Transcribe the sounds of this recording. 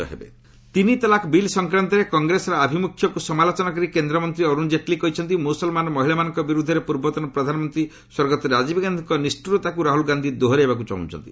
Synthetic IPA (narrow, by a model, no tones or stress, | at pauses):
ɔ̰ɦḛbḛ | t̪init̪ɔlakbilsɔŋkɾant̪ɔɾekɔŋɡɾesɔɾɔabʱimukʰːjɔkusɔmalot͡ʃɔnakɔɾikend̪ɾɔmɔnt̪ɾiɔɾund͡ʒeʈlikɔɦit͡ʃʰɔnt̪imusɔlmanɔmɔɦiɭamanɔŋkɔbiɾud̪ʱːɔɾepuɾbɔt̪ɔnɔpɾɔd̪ʱanɔmɔnt̪ɾi | swɔɾɡɔt̪ɔɾad͡ʒibɡand̪ʱiŋkɔnisʈuɾɔt̪akuɾaɦulɡand̪ʱid̪oɦɔɾɦebak̬ut͡ʃa̰ɦṵ̃t͡ʃʰɔ̰nt̪i